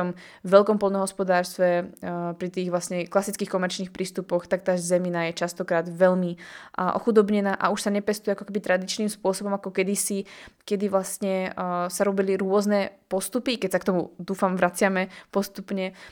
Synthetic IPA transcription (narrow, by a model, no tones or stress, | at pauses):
ɔm | vʋɛlkɔmpɔlnɔɦɔspɔd̪aːɾst̪ʋɛpɾit̪iːɣʋlasɲɛklasit͡skiːxkɔmɛɾt͡ʃniːxpɾʔiːst̪upɔxt̪ak̚t̪aːzzɛminajɛt͡ʃast̪ɔkɾaːd̪ʋɛʎmiʔɔ̰xud̪ɔbɲɛnaːʔa̰uʃsaɲɛpɛst̪ujɛakɔkɛbit̪ɾad̪it͡ʃniːmspʊɔsɔbɔmakɔkɛd̪isikɛd̪iʋlast̪ɲɛsaɾɔbiliɾʊɔznɛpɔst̪upikɛcsak̚t̪ɔmud̪uːfamʋɾat͡sɪamɛpɔst̪upɲɛ